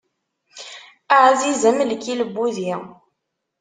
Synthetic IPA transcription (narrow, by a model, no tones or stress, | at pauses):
aʕzizəmlkːiləbːuði